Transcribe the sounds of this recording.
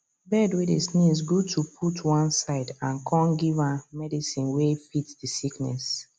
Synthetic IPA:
bɛdwedisnĩzɡutʰupʰutʰwɔ̃nsaɪdãnkʰɔ̃nɡivãnmɛdisĩnwefitdisiknɛ̰s

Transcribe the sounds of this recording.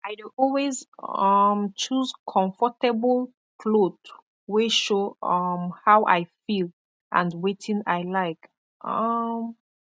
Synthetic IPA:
ʔaɪduʔɔlwezʌmt͡ʃuzkʰɔ̃ɱfɔtɛblˠ | kʰlod | weʃoʌmhawʔa̰ɪfil | ʔã̰ndwetʰĩŋaɪlaɪk | ʔʌm

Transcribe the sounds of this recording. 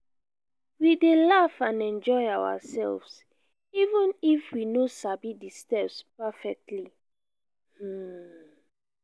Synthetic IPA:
widelafãnɛ̃nd͡ʒɔɪawa̰sɛ̰lvs | ivũnifwinosabidistɛpspafɛk̚tʰli | h̩

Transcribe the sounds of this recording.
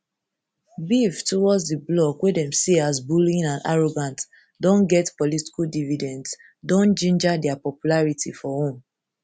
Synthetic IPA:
biftɔwɔdsdiblɔkwedɛ̃mseasbulĩnãna̰ɹoɡãnt | dɔ̃nɡɛtpɔliti̥kuldividɛ̃nds | dɔ̃nd͡ʒĩnd͡ʒadɛapɔpjulaɹitḭfɔhõm

